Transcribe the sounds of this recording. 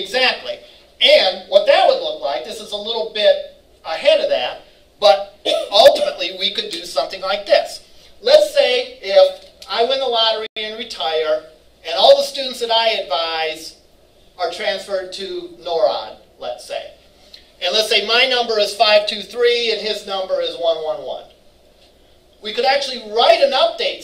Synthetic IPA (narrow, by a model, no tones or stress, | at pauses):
ɨɡzæk̚tʰˡlḭ | ɨ̃nwʌt̪̚ðɨt̚wədˡlʊklaɪk̚ðɪsəzəlɪɾl̩ˠbɪɾ | əhɛɾʌvðæ̰t̚ | b̥ʌɾʌlˠtɨməʔˡliwikɨdɨsʌ̃mθɪ̃ŋlaɪk̚ðɪs | lətseɪɪfaɪwɪ̃nðəlɑɾə˞iɨ̃nɹɨtʰaɪə˞ | ɨ̃nɔlˠðəstʉn̩tsðɨɾaɪɨdvaɪz | ə˞tʰɹ̥æ̃nsfə˞d̚tʰɨnɔɹɑ̰d̚ | lə̰tseɪ | ɨ̃nlətseɪmaɪnʌ̃mbə˞ɨz̥faɪv̥tʰʉθɹiɨ̃nɪznʌ̃mbə˞ɪzwʌ̃nwʌ̃nwʌ̰̃n | wikɨɾæk̚t͡ʃʉl̩ˠiɹaɪɾɨ̃nʌp̚d̥eɪt